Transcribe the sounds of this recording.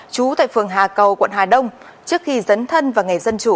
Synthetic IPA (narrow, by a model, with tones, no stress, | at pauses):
t͡ɕu˨˦t̪a̰ː˧˨jfɨ˨˩əŋɦaː˨˩kə˨˩wkwa̰˧˨nhaː˨˩ɗə˧wŋ͡m | t͡ɕɨ˦˥ək̚xi˧zə˨˦nt̪ʰə˧nvaː˨˩ŋa˨˩jzə˧nt͡ɕu˧˩˨